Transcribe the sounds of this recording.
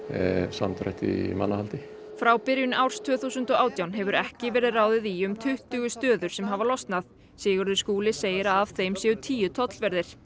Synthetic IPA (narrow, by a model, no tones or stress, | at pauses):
ɛsa̰mt̪ɾɛ̰ht̪ɪ̰ma̰nːahalt̪ɪ | fɾawpɪɾjʏnawɾ̥st̪ʰʏːθuwsʏnt̪ɔɣaːwt̪jawnɦɛvʏɾɛhcɪvɛːɾɪðraːwðɪðiʏmt̪ʰʏht̪ʏɣʏst̪œːðʏɾ̥sɛmɦavalɔst̪nað | sɪːɣʏɾðʏɾ̥skuːlɪseːjɪɾaːv̥θejmsjɛðʏt̪ʰiːjʏt̪ʰɔt̪lvɛɾðɪɾ̥